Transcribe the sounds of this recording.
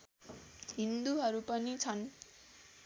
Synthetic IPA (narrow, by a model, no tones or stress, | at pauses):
ɦind̪uɦʌɾupʌnit͡sʰʌn